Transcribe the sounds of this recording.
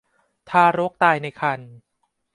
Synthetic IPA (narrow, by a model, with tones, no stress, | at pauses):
t̪ʰaː˧ɾo˦˥k̚t̪aː˧jna˧jkʰa˧n